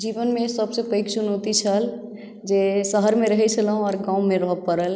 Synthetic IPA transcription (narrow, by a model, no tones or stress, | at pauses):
d͡ʒibənmesəbsepəɪksunot̪it͡ʃʰəl | d͡ʒesəɦəɾmeɾəɦɛt͡ʃʰələɦũɔɾɡãumeɾəɦəbpːəɾəl